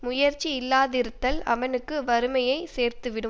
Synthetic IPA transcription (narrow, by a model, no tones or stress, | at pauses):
mʊjɐɾt͡ʃːiɪlːaːðɪɾɯt̪ːɐlɐ̰ʋɐnɯkːɯʋɐɾɯmɐjɐɪseːɾt̪ɯʋɪɽɯm